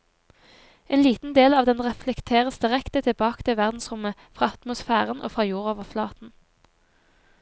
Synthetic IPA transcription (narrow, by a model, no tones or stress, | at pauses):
ʔeːnliːt̪n̩d̪eːlɑːʋd̪ɛnʁɛflɛkt̪ʰeːʁəsd̪ɪʁɛkt̪ət̪ʰɪbɑːkə̥t̪ʰɪlʋæʁd̪n̩sʁʊməfʁɑːɑt̪mʊsfæːʁənʔo̰ːfʁɑːjuːʁoːʋəʁflɑːt̪n̩